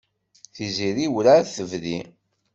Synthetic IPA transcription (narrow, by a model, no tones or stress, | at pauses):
θiziɾiwlaθəvðḭ